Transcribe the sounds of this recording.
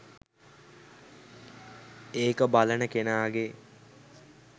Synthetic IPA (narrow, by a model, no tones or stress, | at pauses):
eːkəbalənəkenaːɡe